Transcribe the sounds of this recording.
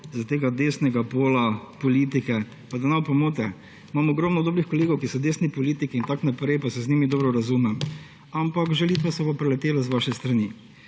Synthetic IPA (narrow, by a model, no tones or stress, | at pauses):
zat̪eːɡad̪eːsnɛɡapoːlapɔliːt̪̬ikɛ | pad̪anawpɔmoːt̪̬ɛ | mamɔɡɾɔmnɔd̪oːbɾixkɔleːɡɔwkisɔd̪eːsnipɔliːt̪ikiːnt̪aknapɾɛjpasɛzniːmid̪ɔːbɾɔɾazuːmɛm | ampakʒɛlit̪ʋasɛbopɾɛlɛt̪eːlazʋaʃɛst̪ɾani